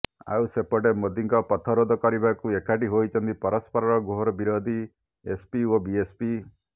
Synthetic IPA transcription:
a̰wsepɔʈemod̪iŋkɔpɔt̪ʰɔɾod̪ʱɔkɔɾibakuekaʈiɦojt͡ʃʰɔnt̪ipɔɾɔspɔɾɔɾɔɡoɦɾɔbiɾod̪ʱi | espiobiespi

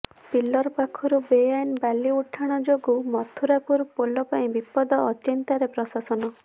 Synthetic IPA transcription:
pilːɔɾpakʰɔɾubejajnbaliuʈʰaɽ̃ɔd͡ʒoɡumɔt̪ʰuɾapuɾpolɔpaĩbipɔd̪ɔːt͡ʃint̪aɾepɾɔsasɔnɔ

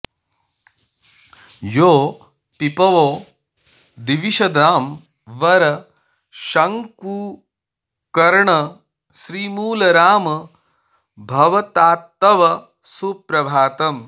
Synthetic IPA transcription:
joː | pipɐʋoː | d̪iʋiʃɐd̪aːm | ʋɐɾɐ | ʃɐŋkuː | kɐɾɳɐ | ʃɾiːmuːlɐɾaːmɐ | bʱɐʋɐt̪aːt̪ːɐʋɐ | supɾɐbʱaːt̪ɐm

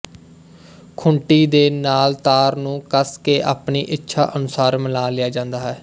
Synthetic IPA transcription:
kʰʊɳʈiːd̪eːnaːlt̪aːɾnũːkəskeːʔa̰ːpniːʔɪtːʃʰa̰ːʔənʊsaːɾməlaːlɪjaːd͡ʒãːnd̪aːɦɛː

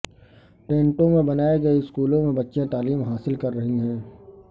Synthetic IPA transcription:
ʈẽːɳʈõmẽbɐnaːeɡɐiskuːlõmẽbɐtːʃẽt̪aːliːmɦaːsɪlkɐɾːɐɦiɦɛ̃ː

